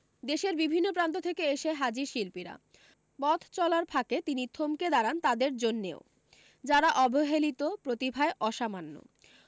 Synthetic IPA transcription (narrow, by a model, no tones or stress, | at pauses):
d̪eʃeɾbibʱinːopɾant̪̬ot̪ʰekeeʃeɦad͡ʑiɾʃilpiɾa̰ | pɔt̪ʰt͡ɕɔlaɾpʰaket̪init̪ʰomked̪aɾant̪ad̪eɾd͡ʑonːḛo | d͡ʑaɾaʔɔbʱoɦelit̪opɾot̪ibʱaeʔɔʃamanːo̰